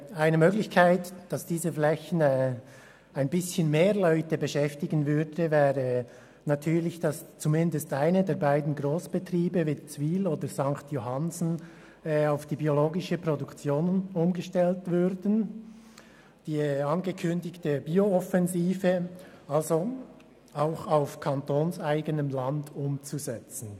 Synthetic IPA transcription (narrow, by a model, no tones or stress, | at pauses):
aɪnəmøːɡlɪçkʰaɪtd̥ɑsd̥iːzəflɛçn̩ɛ | aɪnbɪsçənmeːʁlœʏtəbəʃɛftɪɡənvʏɾdəvɛːʁə | natʰyːɾlɪçd̥ɑst͡sumɪndəstʔaɪnədeːɐbaɪdn̩ɡʁoːsb̥ətriːbəviːt͡sviːloːdəz̥ɑŋktjoɦɑnzn̩ː | aʊfd̥iːbioloːɡɪʃəpɾodukt͡sjoːnənʊmɡəʃtɛltvʏɾdn̩ | d̥iːɛɑnɡəkʰʏndɪçtəbiːoɔfɛnziːvə | alzo | aʊxaʊfkʰɑntoːnsaɪɡənəmlɑndʊmt͡suzɛt͡sn̩